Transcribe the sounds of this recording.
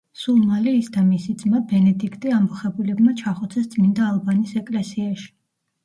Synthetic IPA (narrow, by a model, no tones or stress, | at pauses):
sulˠmaliːsd̪amisit̪sʼmabɛnɛd̪ikʰt̪ʼiambuχɛbulɛbmat͡ʃʰaχɔt̪sʰɛst̪sʼmind̪aːlˠbanisɛkʼlɛsiaʃi̥